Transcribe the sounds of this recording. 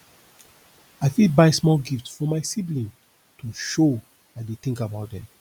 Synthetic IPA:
aɪfĩbaɪsmɔlɡiftfɔmaɪsiblĩn | tʰuʃo | aɪdeθɪ̃ŋkabaʊt̚dɛ̃m

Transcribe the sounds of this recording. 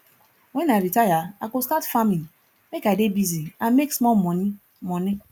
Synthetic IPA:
wɛnaɾitajaakoskatfamĩn | mekadebiziameksmɔlmɔn | mɔni

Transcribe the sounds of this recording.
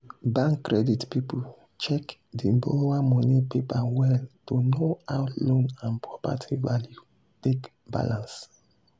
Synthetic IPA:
bãŋkːɹɛditpipul | t͡ʃɛkdiboamɔnipepawɛltonoawlõnãnpʰɹɔpa̰tʰivalju | tek | ba̰lãns

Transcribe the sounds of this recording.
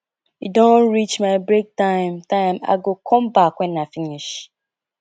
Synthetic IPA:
idõnɹit͡ʃmaɪbɾek̚tãɪ̃mtãɪma̰ɡokʰɔ̃m̩bakʷɛnafiniʃ

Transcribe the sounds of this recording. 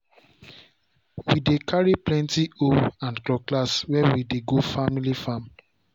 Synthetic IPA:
widekʰaɹiplɛ̃ntioãnklɔkːlaswɛwideɡofamilifãm

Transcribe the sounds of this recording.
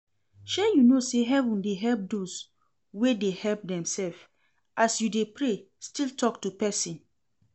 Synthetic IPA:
ʃɛjunoseɦɛvũndeɦɛlp̚dos | wedehɛlp̚dɛ̃msɛlf | ʔasjudepɹe | stiltʰɔktupɛsĩn

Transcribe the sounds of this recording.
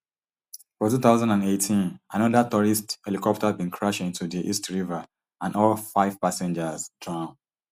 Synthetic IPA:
fɔtuθaʊzãndãnetʰĩnanɔdatɔɹistɛlikɔp̚tabĩnkʰɹaʃĩntudiʔistɹiva | ãnɔlfaɪv̥pasɛ̃nd͡ʒəzdɹãn

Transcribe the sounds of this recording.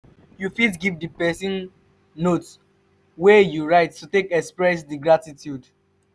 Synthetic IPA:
jufit̬ɡivdəpɛsĩn | nots | wɛjuɹaɪttutekɛkspɹɛs̬diɡɹatitʰjud

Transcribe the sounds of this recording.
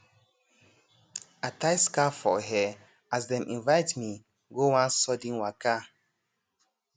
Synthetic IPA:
atajskafɔ̰ɦɛ | azdɛ̃mʔĩnvaɪtmi | ɡowãnsɔdĩnwaka

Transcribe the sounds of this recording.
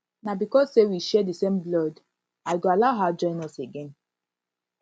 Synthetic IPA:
nabikɔssewiʃɛdisẽmblɔd | aɪɡoalaʊɦad͡ʒɔ̃ɪ̃nɔseɡɛ̃n

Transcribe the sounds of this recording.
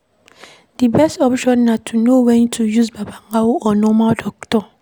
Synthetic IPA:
d̥ibɛstɔpʃɔ̃nːãtʰunowɛ̃nitʰujusbabaŋɡawʊʔɔnɔ̃maldɔktʰɔ

